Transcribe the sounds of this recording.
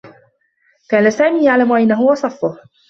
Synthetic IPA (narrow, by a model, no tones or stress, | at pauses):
kaːnasaːmiːjaʕlamʔajnːaɦʊwɑsˤɑfːʊh